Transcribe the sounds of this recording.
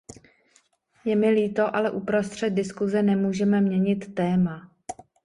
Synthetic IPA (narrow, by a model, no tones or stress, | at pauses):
jɛmɪliːt̪o̞ʔalɛʔupɾo̞st̪r̝̥ɛt̪̚dɪskuzɛnɛmuːʒɛmɛmɲɛɲɪt̪ːɛːma